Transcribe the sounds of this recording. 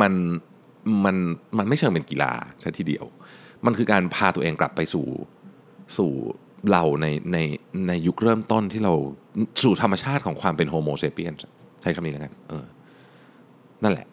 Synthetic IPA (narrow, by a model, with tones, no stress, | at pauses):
ma˧n | ma˧nma˧nma˥˩jt͡ɕʰɤː˧pe˧nki˧la̰ː˧t͡ɕʰa˦˥t̪ʰiː˥˩dḭ˧əwma˧nkʰɯː˧kaː˧npʰaː˧t̪u˧ɐʔeː˧ŋkla̰˨˩pːa˧jsṵː˨˩ | suː˨˩ | la˧wna˧jna˧jna˧jːu˦˥k̚ɾɤː˥˩mt̪o˥˩nt̪ʰiː˥˩ɾa˧wsuː˨˩t̪ʰa˧mːa˧t͡ɕʰaː˥˩t̪̚kʰɔː˩˦ŋkʰwaː˧mpe˧nɦoː˧moː˧seː˦˥pi˥˩ənst͡ɕʰa˦˥jkʰa˧mniː˦˥˦ka˧nʔɤː˧ | na˥˩nlɛ̰˨˩ʔ